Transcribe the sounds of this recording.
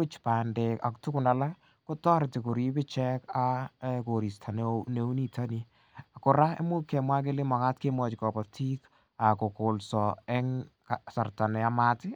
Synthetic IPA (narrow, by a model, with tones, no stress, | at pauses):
ʊ˦t͡ʃpaː˨nde˨ka̰˨ktʊ˦kʊ˨na˨la˦ | kʊ˦tɔ˦ɾɪ˨tɪ˨ku˨ɾi˦pɪ˦t͡ʃɛ˦ka˦ko˨ɾi˨stʰa˨nene˦u˦ni˦tʰa˦ni˨ | a˨kʊ˨ɾa˦ḛ˦mu˦kɛ˨mwa˦k̬e˦le˦mɔ˨ka˦tke˦mwɔ˨t͡ʃkɔ˨pɔ˨tʰi˦k | a˨ko˨kolsɔɛ˦ŋkasa˨rta˨nɛ˨a˨maː˦tɪ˦